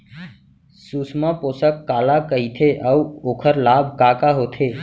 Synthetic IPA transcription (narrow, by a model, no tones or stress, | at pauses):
suːsmãpoːsəkːaːlakəit̪ʰeʔəuoːkʰəɾlaːb̚ʱkaːkaɦoːt̪ʰeː